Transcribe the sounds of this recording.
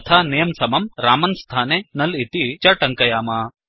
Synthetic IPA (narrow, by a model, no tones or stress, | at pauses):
t̪ʰaːnijɐmsɐmɐmɾaːmɐnst̪ʰaːneːnɐlit̪it͡ʃɐʈɐŋkɐjaːma